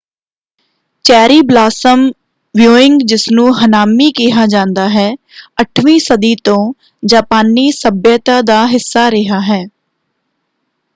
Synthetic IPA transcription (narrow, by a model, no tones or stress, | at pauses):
t͡ʃɛːɾiːblaːsəm | ʋjoːɪ̃ŋɡd͡ʒɪsnũːɦənaːmiːkiːɦaːd͡ʒãːnd̪aːɦɛː | əʈʰʋĩːsəd̪iːt̪õː | d͡ʒaːpaːniːsəbjət̪aːd̪aːɦɪsːaːɾɪɦaːɦɛː